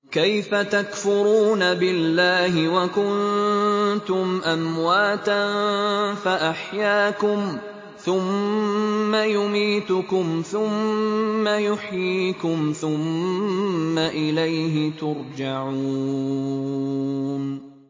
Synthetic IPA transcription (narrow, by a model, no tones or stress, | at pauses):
kajfat̪akfʊɾuːnabɪlːaːhɪwakʊnn | t̪ʊmʔamwaːt̪anfaʔaħjaːkʊm | θʊmː | ajʊmiːt̪ʊkʊmθʊmː | ajʊħjiːkʊmθʊmː | aʔɪlajɦɪt̪ʊɾd͡ʒaʕuː | n